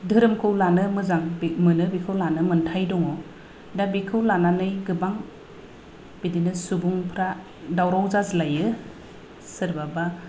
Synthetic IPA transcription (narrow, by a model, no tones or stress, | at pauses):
dɯɾɯmkʰɯwlanɯmɯzaŋbmɯnɯbikʰɯwlanɯmɯntʰajdɔŋɔ | dabikʰɯwlananɯjɡɯbaŋ | b̥idinɯsubuŋpʰɾa | dawɾawzazlajɯ | sɯɾbaba